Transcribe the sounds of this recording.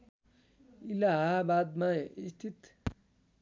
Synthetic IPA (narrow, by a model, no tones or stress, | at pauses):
ilaɦabad̪maist̪ʰit̪